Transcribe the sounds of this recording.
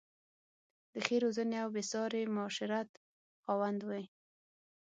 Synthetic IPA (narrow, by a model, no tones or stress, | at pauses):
d̪əxeɾozəneawbɪsɑɾemʊʃɪɾat̪ | xɑwand̪waj